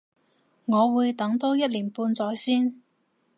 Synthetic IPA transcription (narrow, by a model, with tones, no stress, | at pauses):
ŋɔː˨˧wuː˨˧jt̪ɐ˨˥ŋt̪o˥wjɐ˥t̚liː˨˩npuː˧nt͡sɔː˨˥jsiː˥n